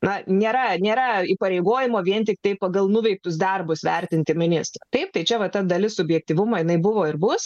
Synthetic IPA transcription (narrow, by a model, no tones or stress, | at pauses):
nɐnʲeːɾɐnʲeːɾɐiːpɐɾʲɛɪɡoːjɪmoːʋʲiɛnt̪ʲɪkt̪ɐɪpɐɡɐlˠnʊʋʲɛɪk̚t̪ʊsd̪ɐrbʊsʋʲɛɾʲt̪ʲɪnʲt̪ʲɪmʲɪnʲɪst̪ɾɐt̪ɐɪp̚t̪ɐɪt͡ʃʲɛʋɐt̪ɐd̪ɐlʲɪsʊbʲjɛk̚t̪ʲiːʋʊmɐjɪnɐɪbʊʋoːɪɾbʊs